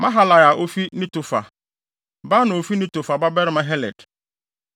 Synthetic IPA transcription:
mã˦ɦa˦la˨ja˨ʔo˦fi˦nĩ˦tʊ˨fa̰˨ | ba˦nʊ̃˨o˨fi˦nĩ˦tʊ˨fa˨ba˦bɛ˦ɾɪ˦mã˦ɦɛ˦lɛ̰˨d̥

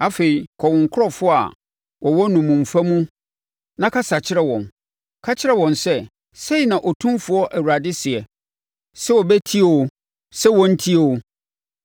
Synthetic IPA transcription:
a˦fe˨i˨kʰɔ˨wʊ̃˨ŋ˨kʰʊ˦ɾɔ˦˨fʊ˦a̰˨ | wɔ˨wɔ˦nũ˨mũ˨ɱ˨fa˦mũ˦ | nã˦kʰa˦sa˨t͡ɕʰɪ˦ɾɛ˦wɔ̃˨n | kʰa˦t͡ɕʰɪ˦ɛ˦˨wɔ̃˨nsɛ˦ | se˦i˨nã˨ʔɔ˨tʰũ˦mfʊ˨ɔ˦ʔæ˨wu˨ɾa˨dɪ˦sɪ˨ɛ˨ | sɛ˦wɔ˨bɛ˦tʰi˦e˨wo˦ | sɛ˦wɔ̃˦n̩˦tʰi˦e˨o˦

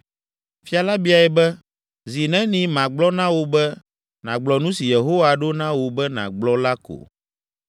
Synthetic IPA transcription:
fi˦a˨la˦bi˦a˨ɛ˨bɛ˦ | zi˨nɛ̃˦nĩ˨˦mã˨ɡ͡blɔ˦nã˦wo˨bɛ˦ | nã˨ɡ͡blɔ˨nũ˦si˨je˨ɦo˦wa˨ɖo˦nã˦wo˨bɛ˦nã̰˨ɡ͡blɔ˦la˦ko̰˨

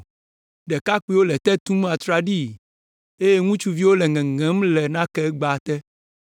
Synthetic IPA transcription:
ɖɛ˨ka˦k͡pi˦wo˦lɛ˨t̪ɛ˦t̪ũ˦m˦a˨t̪ɾa˦ɖi˦˨ | e˦je˦ŋũ˦t͡ʃu˦vi˦wo˦lɛ˨ŋɛ̃˨ŋɛ̃˨˦mlɛ˨nã˦kɛ˦ɡ͡ba˨t̪ɛ˦

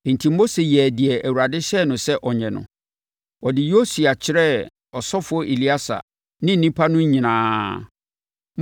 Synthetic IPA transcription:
n̩˨tʰi˨mː˦o˦se˨jɛ˨dɪ˨ɛ˨ʔæ˨wu˨ɾa˨dɪ˦ɕɛ˦˨nʊ̃˨sɛ˦ʔɔ˨ɲɛ̃˨nʊ̰̃˨ | ɔ˨dɪ˨jo˦su˨a˨t͡ɕʰɪ˦ɾɛ˦ | ɔ˨sɔ˦fʊ˨˦ɔ˦ʔe˨li˦a˦sa̰˨ | nɪ̃˦n̩˨nĩ˦pʰa˦nʊ̃˦ɲĩ˨nãː˨˦

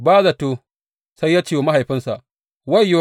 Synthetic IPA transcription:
baː˦za˨toː˦ | sa˦jːaː˦t͡ʃeː˦wma˦ɦa˨jɸɪ˦nsa˨ʔ | wa˦jːo˦

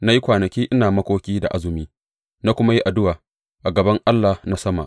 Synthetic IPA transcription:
na˦ji˦kʷaː˨nɐ˨kʲiː˦ʔɪ˦naː˨mɐ˦kʷoː˦kʲiː˦da̰˨ʔa˦zʊ˨miː˦ | na˦kʷʊ˦ma˦ji˦ʔa˨dʊ˦waː˨ | ʔa˨ɡɐ˨bɐ˦ŋʔa˦lːa˨na˦sɐ˦ma̰˨ʔ

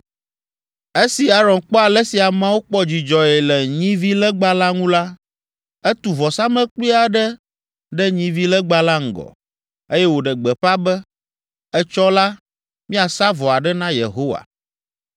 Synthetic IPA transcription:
e˦si˨a˦ɾɔ̃˨nk͡pɔ˦a˨lɛ˦si˨a˨mã˦wo˦k͡pɔ˦d͡ʑi˨d͡ʒɔ˨ɛ˨lɛ˨ɲĩ˦vi˦lə˦ɡ͡ba˦la˦ŋũ˦la˦ | ɛ˦t̪u˨vɔ˨sa˦mə̃˦k͡pli˦a˨ɖə˦ | ɖɛ˦ɲĩ˦vi˦lə˦ɡ͡ba˦la˦ŋ̩˨ɡɔ̰˨ | e˦jɛ˦wo˨ɖə˨ɡ͡bɛ˨ɸa˦bə˦ | ɛ˦t͡ʃɔ˦la˦ | mĩ˦a˨sa˦vɔ˨a˨ɖɛ˦nã˦jḛ˨ɦo˦wa̰˨

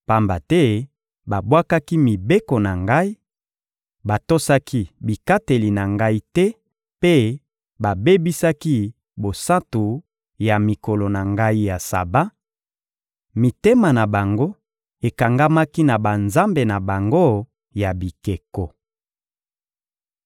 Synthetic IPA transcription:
pa˦mba˨tɛ˦ | ba˨bwa˦ka˦ki˦mi˨be˦ko˨na˨ŋɡa˦i˦ | ba˨to˦sa˦ki˦bi˨ka˦te˨li˨na˨ŋɡa˦i˦tɛ˦ | pe˦ | ba˨be˦bi˦sa˦ki˦ | bo˨sa˦tu˨ | ja˨mi˨ko˨lo˨na˨ŋɡa˦i˦ja˨sa̰˨ba˦ | mi˨te˦ma˨na˨ba˨ŋɡo˦ | e˨ka˨ŋɡa˦ma˦ki˦na˨ba˨nza˦mbe˨na˨ba˨ŋɡo˦ | ja˨bi˨ke˨kɔ˨

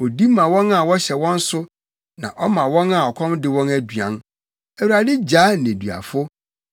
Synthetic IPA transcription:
ɔ˨di˦mã˨wɔ̃˦na˨wɔ˦ɕɛ˨wɔ̃˦n̩˦sʊ˦ | nã̰˨ʔɔ˦mã˨wɔ̃˦na˨ɔ˨kʰɔ̃˦mdɪ˨˦wɔ̃˦næ˦dɥã̰˨n | æ˨wu˨ɾa˨dɪ˦d͡ʑaː˨˦nɪ̃˨dɥa̰˨fʊ˦

